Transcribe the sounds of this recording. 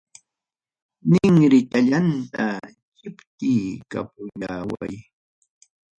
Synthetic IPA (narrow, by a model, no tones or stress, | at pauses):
nɪŋɾɪt̪aʎant̪a | kɪpt̪iːka̰p̚ʊʎaːwa̰j